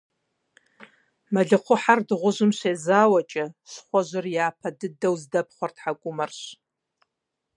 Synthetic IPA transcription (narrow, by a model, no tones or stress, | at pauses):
maɮɨqʷʰʊħardɨʁʷʊʒʷɨmʃeːzaːwat͡ʃʼɐsχʷaʒʷɨrjaːpʰɐdɨdɐwzdɐp̚ʰχʷartʰħakʷʼʊmɐrɕʷ